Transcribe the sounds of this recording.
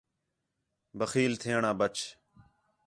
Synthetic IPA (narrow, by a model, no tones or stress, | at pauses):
bəxiːlt̪ʰeːɳãːbət͡ʃ